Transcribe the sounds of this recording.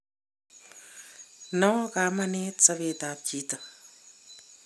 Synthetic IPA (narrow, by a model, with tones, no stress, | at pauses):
nɔ˦ka˨mane˦tsa˦be˨ta˨p̚t͡ʃi˦ta˨